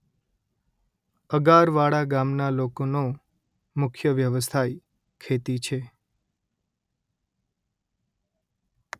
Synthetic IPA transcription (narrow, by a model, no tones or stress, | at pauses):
əɡaɾʋaɽaɡamnalokono | mʊkʰjəʋjəʋəst̪ʰaj | kʰet̪it͡ʃʰe